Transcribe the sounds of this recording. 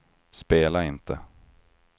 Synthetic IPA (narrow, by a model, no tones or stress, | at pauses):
speːlaɪnt̪ʰə